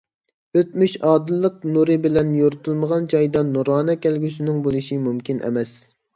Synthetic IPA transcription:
øt̪myʃɑːd̪ɨlˠːəq̚nuɾɨbɪlɛnjoɾt̪ʰulˠməʁɑnt͡ʃʰɑjd̪ɑnuɾɑːnɛkʲælɡʲysɪnɪŋbolˠɨʃimumkʲʰinʔɛ̰mɛs

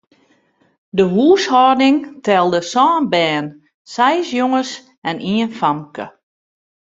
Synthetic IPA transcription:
dəɦuːshɔrdɪŋtʰɛlˠdəsɔːnbɛːn | sɛjsjoŋəs | ɛniənfamkə̰

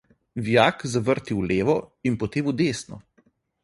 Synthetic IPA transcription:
ʋjaːkzaʋəɾt̪iwleːʋɔinpɔt̪eːmud̪eːsnɔ̰

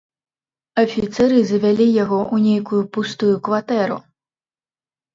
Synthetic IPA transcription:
ɐfʲit̪sɛɾɨzɐvʲalʲijaɣɔʔunʲejkujupust̪ujukvat̪ɛɾṵ

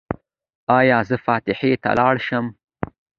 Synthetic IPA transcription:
ɑjɑːzəfɑt̪ɪħet̪a̰lɑɽʃəm

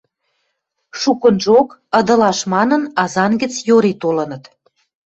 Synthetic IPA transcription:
ʃukənʒokə̆d̪ɤ̆lɑʃmɑnə̆nɑzɑnɡə̆t͡sjoɾet̪olɤ̆nə̆t̪

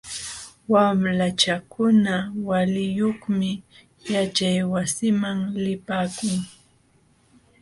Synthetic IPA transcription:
wamlat͡ʃakʊnawalɪjoχmɪ | jat͡ʃajwasɪmaŋlɪpaːkʊŋ

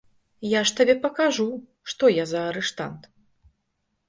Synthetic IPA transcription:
jaʂt̪abʲɛpɐkaʐu | ʂt̪ɔjazɐːɾɛʂt̪a̰nt̪

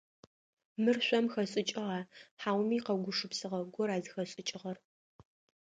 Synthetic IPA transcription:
mɨrɕʷɔmxɐɕʼɪt͡ʃʼɪʁaːħaːwmiːqɐɡʷʊʂɨpsɨʁɐɡʷɔɾaːzɨxɐɕʼɪt͡ʃʼɪʁɐr

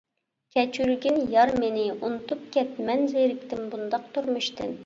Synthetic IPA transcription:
kʲʰɛt͡ʃʰyɾɡʲinjɑɾmenɪunɨt̪ʰup̚kʲʰɛt̪mɛnzeɾɪkʲt̪ʰɪmbund̪ɑq̚t̪ʰuɾmuʃt̪ɨ̰n

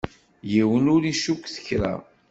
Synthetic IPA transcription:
jiwənʊɾiʃukʷːθə̥çɾa̰

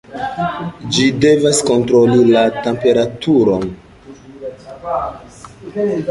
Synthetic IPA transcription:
d͡ʒide̞vasko̞ntɾo̞lilate̞mpe̞ɾatʰuɾo̞n

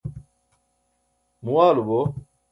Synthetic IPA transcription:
muwaːlubo

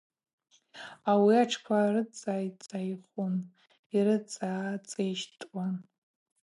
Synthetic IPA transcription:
awiaʈ͡ʂʰkʷʰaɾɨt͡sʼaːjt͡sʼajχʷun | iɾɨt͡sʼaːt͡sʼejʃtʼwan

